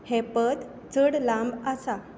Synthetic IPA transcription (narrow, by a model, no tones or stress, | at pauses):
hepət̪ | t͡səɽlãmbasa